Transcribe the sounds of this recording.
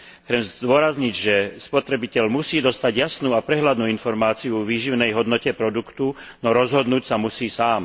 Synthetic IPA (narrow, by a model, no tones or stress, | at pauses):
xt͡sɛmd̪ʊɔɾazɲiɟʒɛspɔt̪ɾɛbicɛʎmusiːd̪ɔst̪aɟɪjasnuːapɾɛɦlad̪nuːinfɔɾmaːt͡sijuɔʋiːʒiʊnɛjɦɔd̪nɔcɛpɾɔd̪ukt̪unɔɾɔzɦɔd̪nuːcsamusiːsaːm